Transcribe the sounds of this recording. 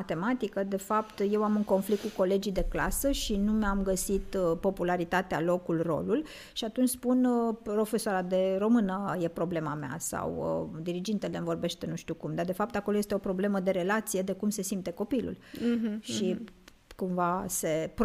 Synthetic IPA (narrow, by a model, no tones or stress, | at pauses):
at̪e̞mat̪ikəd̪e̞fapt̪je̞wamɨŋkonflikt̪̚kuko̞le̞d͡ʒijd̪e̞kla̰səʃinumamɡəsit̪po̞pulaɾit̪at̪ea̰lo̞kulro̞̰lul | ʃiat̪unt͡ʃʲspunpɾo̞fe̞soaɾad̪e̞ɾo̞mɨnəje̞pɾo̞ble̞mamea̰sa̰wə̰d̪iɾid͡ʒint̪elemvo̞rbe̞ʃt̪e̞nuʃt̪ukumd̪ard̪e̞fap̚t̪akolojest̪eo̞pɾo̞ble̞məd̪e̞ɾe̞lat̪sije̞d̪e̞kumse̞simt̪e̞ko̞pilṵlʃi | kumvase̞p